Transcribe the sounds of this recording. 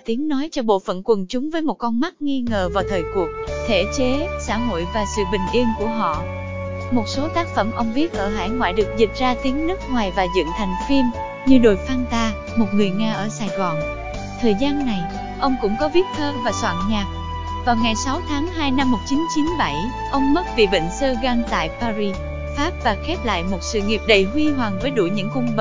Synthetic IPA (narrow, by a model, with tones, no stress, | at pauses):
t̪i˨˦əŋnɔ˨˦jt͡ɕɔ˧ɓo̰˧˨fə̰˧˨nkwə˨˩nt͡ɕʊ˨˦ŋ͡mvəː˨˦jmo˨˩t̚kɔ˧nma˦˥k̚ŋi˧ŋəː˨˩vaː˨˩wt̪ʰəː˨˩jku˨˩ək̚t̪ʰe˧˩t͡ɕe˨˦sa̰ː˧˥ɦo̰˧˨jvaː˨˩sɨ̰˧˨ɓï˨˩ŋ̟ʔi˧ənku˧˩əɦɔ̰˧˨ | mo˨˩t̚so˨˦t̪aː˦˥k̚fə˧˩mʔə˧wŋ͡mɓi˦˥ət̚ʔəː˧˩ɦa̰ː˧˥˩jŋwa̰ː˧˨jɗɨ˨˩ək̚zï˨˩t̟̚zaː˧t̪i˨˦əŋnɨ˦˥k̚ŋwaː˨˩jvaː˨˩zɨ̰˧˨nt̪ʰa˨˩jŋ̟fi˧m | ɲɨ˧ɗo˨˩jfaː˧nt̪aː˧ | mo˨˩t̚ŋɨ˨˩əjŋaː˧ʔəː˧˩saː˧˩jɣɔ˨˩n | t̪ʰəː˨˩jzaː˧nːa˨˩j | ʔə˧wŋ͡mkʊ̰˧˥ŋ͡mkɔ˨˦vi˦˥ət̚t̪ʰəː˧vaː˨˩swa̰ː˧˨nɲaː˨˩k̚ | vaː˨˩wŋa˨˩jsa˨˦wt̪ʰaː˨˦ŋɦaː˧jna˧mːo˨˩t̚t͡ɕi˨˦nt͡ɕi˨˦nɓa˧˩j | ʔə˧wŋ͡mmə˦˥t̚vḭ˨˩ɓḭ˧˨ŋ̟səː˧ɣa˧ŋt̪a̰ː˧˨jpaː˧zi˧ | faː˦˥p̚vaː˨˩xɛ˦˥p̚la̰ː˧˨jmo˨˩t̚sɨ̰˧˨ŋi˨˩p̚ɗə˨˩jɦwi˧ɦwa˨˩ŋvəː˨˦jɗṵ˧˩jɲɨ̰˧˥ŋxʊ˧ŋ͡mɓə˧˩